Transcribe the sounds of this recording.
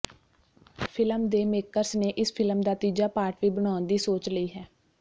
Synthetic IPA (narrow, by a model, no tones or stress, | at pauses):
pʰɪləmd̪eːmeːkəɾsneːʔɪspʰɪləmd̪aːt̪iːd͡ʒaːpaːɾʈʋiːbəɽ̃aːnd̪iːsoːt͡ʃləiːɦɛː